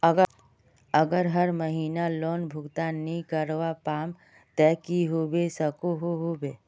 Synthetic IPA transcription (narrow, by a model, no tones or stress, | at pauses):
əɡə | ɐɡəɾɦəɾməɦiːnaloːnbʱʊɡt̪anːĩkəɾʋapaːm | t̪ɛːkiɦoːbesɐkoɦoɦobeː